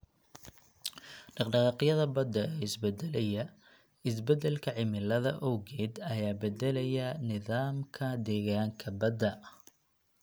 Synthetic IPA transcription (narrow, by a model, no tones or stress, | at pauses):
ɖɑqɖɑʁɑːqjɐðɐbɐd̪ːɐɛːɪsbɛd̪ɛlɛjɐ | ɪs̬bɛd̪ɛlkʰɐʕɪmɪlɐðɐ̰ʔɔwɣɛːd̪ɐjaːbɛd̪ɛlɛjɐnɪðaːmkʰɐd̪ɛːɣaːŋkʰɐbɐd̪ɐ